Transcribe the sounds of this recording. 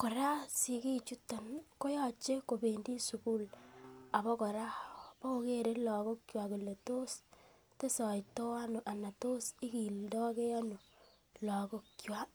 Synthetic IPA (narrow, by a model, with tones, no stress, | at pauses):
kɔ˨ɾa˦si˨ki˦t͡ʃu˦ta˨nko˦jɔ˦t͡ʃe˦ko˨be˨ndi˦su˨ku˦la˨bɔ˦kɔ˨ɾa˦pɔ˦ko˦ke˦ɾe˦lɔ˨ko˦kkjwa˨ku˨le˨to˦s | te˦sɔ˨jtɔ˦wa˦nu˨ʔa˨na˨to˦si˦ki˨ldɔ˦ke˦a˦nu˨ | lɔ˨ko˦kːjwa˦